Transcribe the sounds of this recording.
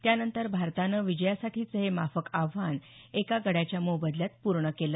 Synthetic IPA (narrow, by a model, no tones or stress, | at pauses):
t̪janənt̪əɾbʱaɾt̪anəʋid͡ʑəjasaʈʰiːt͡səɦemafəkaʋːan | ekaɡəɽjat͡ɕjamobəd̪ljat̪̚puɾɳəkelə